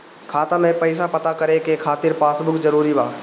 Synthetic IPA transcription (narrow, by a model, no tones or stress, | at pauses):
kʰaːt̪amẽpəɪs̬apət̪akəɾekekʰaːt̪ɪɾpaːsbʊkzəɾuːɾibaː